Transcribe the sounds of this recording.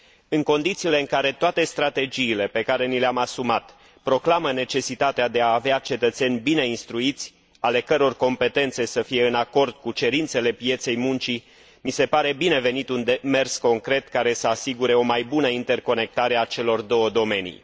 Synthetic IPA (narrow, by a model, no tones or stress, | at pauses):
ɨŋko̞nd̪it̪siːle̞ɨŋkaɾe̞t̪oat̪e̞st̪ɾat̪e̞d͡ʒiːle̞pe̞kaɾe̞nileamasumat̪ | pɾo̞klaməne̞t͡ʃe̞sit̪at̪ead̪e̞aːveat͡ʃe̞t̪ət̪se̞nʲbine̞inst̪ɾuit̪sʲ | ale̞kəɾo̞rko̞mpe̞t̪e̞nt̪se̞səfije̞ɨnako̞rd̪̚kut͡ʃe̞ɾint̪se̞le̞pije̞t̪se̞jmunt͡ʃi | mise̞paɾe̞bineve̞nit̪und̪eme̞rsko̞ŋkɾe̞t̪kaɾe̞səasiɡuɾe̞o̞majbunəint̪e̞rko̞ne̞k̚t̪aɾe̞at͡ʃe̞lo̞rd̪o̞wəd̪o̞me̞nḭj